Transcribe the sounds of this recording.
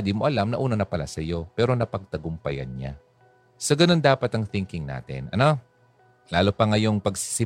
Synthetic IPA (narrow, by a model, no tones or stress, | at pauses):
d̪imoʔɐlamnɐʔuːnɐnɐpɐla̰sɐjo̞pɛːɾo̞nɐpɐɡ̚t̪ɐɡʊmpɐ̰jɐ̰nɲa̰ | sɐɡɐno̞nd̪aːpɐt̪ɐŋθɪŋkɪŋna̰ːt̪ɪ̰nʔɐno | laːlopɐŋɐjo̞ŋpɐɡsɪ̥sɪ